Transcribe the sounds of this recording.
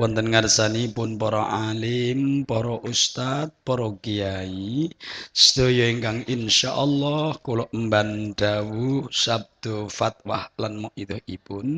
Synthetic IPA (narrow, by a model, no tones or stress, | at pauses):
wɔnt̪ənŋarsaniːpʊnpɔɾɔʔalɪmpɔɾɔʔust̪at̪̚pɔɾɔkijai | sə̥d̪̥o̤jɔiŋkaŋɪnʃaʔɔlːɔhkolɔʔmbanɖ̥awusab̚d̪̥ofat̪̚wahlanmɔʔit̪ɔhipʊn